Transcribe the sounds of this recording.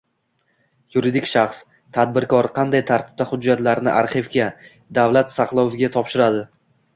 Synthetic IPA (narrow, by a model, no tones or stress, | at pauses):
jʊɾɪd̪ɪkʲʃaχs | t̪ʰad̪̚bɪɾkɒɾqʰɑnd̪ajt̪ʰaɾt̪ʰɪ̥p̚t̪ʰaχʊd͡ʒːat̪laɾnɪʔaɾχɪvɡʲa | d̪avlat̪saqlˠɒwvɪɡʲat̪ʰɒpʃɪɾad̪ɪ